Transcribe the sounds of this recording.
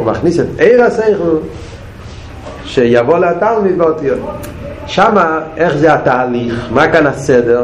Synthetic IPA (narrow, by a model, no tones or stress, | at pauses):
maχnisɛteɪʁaseɪχl̩ˠ | ʃɛjavoleatalˠmidvɔti | ʃamaɛχzeataːliχmakanasɛdɛ